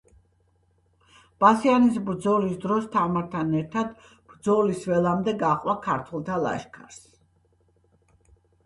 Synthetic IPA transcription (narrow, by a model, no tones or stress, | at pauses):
b̥asianisbɾd̪zɔlisd̪ɾɔst̪ʰamaɾt̪ʰanɛɾt̪ʰad̪ | b̥ɾd̪zɔlisvɛlˠamd̪ɛɡaχʼwakʰaɾt̪ʰɛlˠt̪ʰalˠa̰ʃkʰaɾs